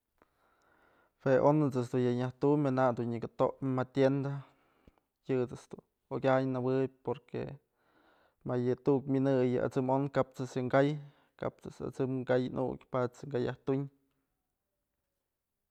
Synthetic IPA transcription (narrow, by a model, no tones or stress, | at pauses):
weʔonɨt͡sɨsd̪unjɨɲaht̪umɨnad̪unɲɨkɨt̪oʔmat̪ʲjend̪a | jɨt͡sɨsd̪̥u | okʲajnawɨb̚ʲpoɾkḛ | majɨt̪uʔkmʲinɨjɨʔa̰t͡sɨmonkap̚t͡sɨsjɨŋɡaj | ka̰p̚t͡sɨsa̰t͡sɨmɡajnʔṵkʲpat͡sɨŋɡajaht̪uɲ